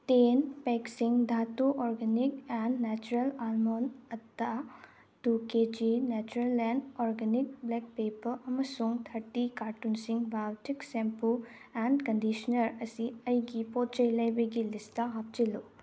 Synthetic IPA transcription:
tenpeksiŋdʱatuʔɔɾɡenikenːet͡ʃuɾelalmonɐtːa | tuked͡ʒinet͡ʃuɾelenɔɾɡenik̚blek̚pepɐɾɐmɐsuŋt̪ʰɐɾtikaɾtunsiŋbawtiksempu | enkɐndisɐnɐɾɐsiɐjɡipot̚t͡ʃɐjlɐjbɐɡilistɐɦap̚t͡ʃilu

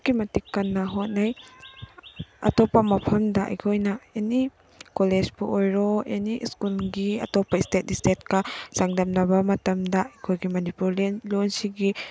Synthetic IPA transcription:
kimɐtikːɐnːɐɦot̚naj | ɐ̰tɔpːɐmɐpʰɐmdɐʔɐ̰jkʰojnɐeni | koled͡ʒbuʔojɾoeniskulɡiɐ̰tɔpːɐistet̚istet̚kɐsaŋdɐmnɐbɐmɐtɐmdɐɐjkʰojɡimɐnipuɾlenlonsiɡi

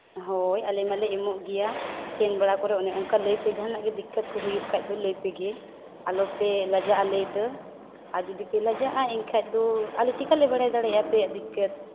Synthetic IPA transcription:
ɦɔjalɛmalɛɛmɔʔɡɛjakɛnbaɽakɔɾɛɔnɛʔɔŋkaləjpɛɡanlaʔɡɛd̪ikːət̪̚kɔɦujuʔ̚kʰac̚ˀd̪ɔləjpɛɡɛ | alɔpɛlad͡ʒaʔalɛt̪ə | ad͡ʒid̪ipɛlad͡ʒaʔaiŋkʰac̚ˀd̪ɔaliʈikalɛbaɽajd̪aɽɛapɛad̪ikːət̪̚

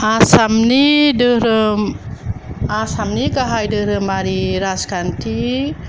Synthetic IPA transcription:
asamnidɯɾɯm | asamniɡaɦajdɯɾɯmaɾiɾaskantʰi

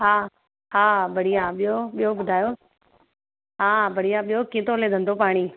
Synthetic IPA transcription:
ɦaː | ɦaːbʱɐɽijãɓijoɓijobʊd̪ʱaːjo | ɦaːbʱɐɽ̤ijãɓijokĩːt̪oleːd̪ʱənd̪opaːɽ̃iː

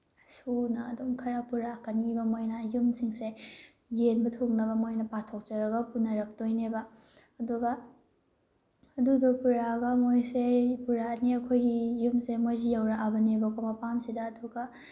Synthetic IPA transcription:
sunɐːduŋkʰɐɾɐk̚puɾakɐnibɐmojnɐjumsiŋse | jenbɐtʰoknɐβɐmojnɐpatʰok̚t͡ʃɐɾɐɡɐpunɐɾɐk̚dojnebɐː | duɡɐ | dudɐpuɾaɡɐmojsepuɾaniɐkʰojɡijumsemojzijawɾaʔabɐnebɐkʰomɐpamsidɐːduɡɐ

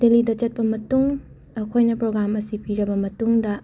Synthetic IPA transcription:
delidɐt͡ʃɐt̚pɐmɐtuŋ | ɐkʰojnɐpɾoɡɾamɐsipiɾɐbɐmɐtuŋdɐ

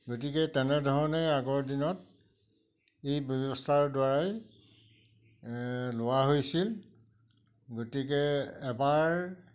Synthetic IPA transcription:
ɡotikɛtɛnɛdʱɔɹɔnɛaɡɔɹdinɔt̚ | ejbɔbɔstʰaɹdwaɹaj | lʊwaɦojsil | ɡotik̬ɛːbaɹ

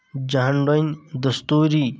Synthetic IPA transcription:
d͡ʒaɦɳɖond̪əst̪uːɾi

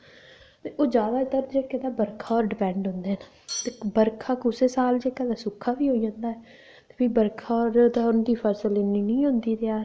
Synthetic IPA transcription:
t̪eːʔoːd͡ʒaːd̪aːt̪əɾd͡ʒeːkeːd̪aːbəɾkʰaːɔːɾɖɪpɛ̃ːɳɖɦʊ̃nd̪eːna | t̪eːbəɾkʰaːkʊseːsaːld͡ʒeːkaːd̪aːsʊkʰːaːbiːɦoːid͡ʒãːnd̪aːɛː | t̪e̥ːbiːbəɾkʰaːɔːɾd̪aːʊnd̪iːpʰəɾsleːniːnĩːɦʊ̃nd̪iːɾeaː

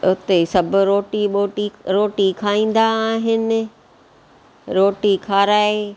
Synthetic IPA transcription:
ʊt̪esɐbʱʊɾoːʈiɓoːʈiɾoːʈikʰaːĩːn̆d̪aːɦɪnɪ̆ | ɾoːʈikʰaːɾaːe

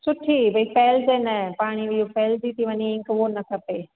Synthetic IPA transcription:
sʊʈʰibɐifeːlzenɐpaːɽ̃iʋiofeːlzit̪ʰiʋɐɲiɪ̃ŋkʋonɐt̪ʰɐpeː

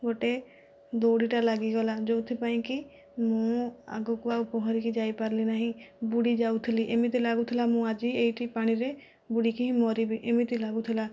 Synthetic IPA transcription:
ɡoʈe | d̪oɽiʈalaɡiɡɔlad͡ʒowt̪ʰipaĩki | mũa̰ɡukuaupɔɦɔɾikid͡ʒajpaɾlinaɦĩbuɽid͡ʒaut̪ʰiliʔemit̪ilaɡut̪ʰilamũad͡ʒieiʈipaɽ̃iɾe | buɽikiɦĩmɔɾibiʔemit̪ilaɡut̪ʰila

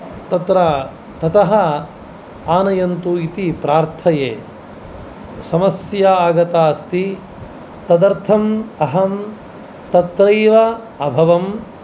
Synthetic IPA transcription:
t̪ɐt̪ɾa | t̪ɐt̪ɐɦɐ | aːnɐjɐnt̪uit̪ipɾaːɾt̪ʰɐjeː | sɐmɐsjaaːɡɐt̪aːst̪i | t̪ɐd̪ɐɾt̪ʰɐmɐɦɐm | t̪ɐt̪ɾɐjʋɐ | ɐbʱɐʋɐm

